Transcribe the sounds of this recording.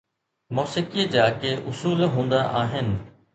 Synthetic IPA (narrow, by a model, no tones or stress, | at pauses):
moːsɪkiəd͡ʑaːkeʔʊsuːlɦũːnd̪aʔaːɦɪnɪ̆